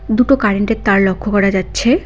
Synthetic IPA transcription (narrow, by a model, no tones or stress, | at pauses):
d̪uʈokaɾeɳʈeɾt̪aɾlokʰːokɔɾad͡ʑatːɕʰe